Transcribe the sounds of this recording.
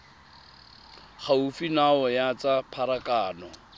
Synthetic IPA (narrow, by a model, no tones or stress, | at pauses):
χaufinaɔjat͡sʼapʰaɾakʼaːnɔ